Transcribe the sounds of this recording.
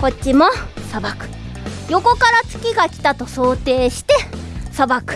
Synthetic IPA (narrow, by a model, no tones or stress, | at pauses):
ko̞t͡ɕːimo̞sabakɯ̟̥ | jo̞ko̞kaɾat͡sɨ̥kʲiɡakʲi̥t̪at̪o̞so̞ːt̪e̞ːɕi̥t̪e̞sabakɯ̥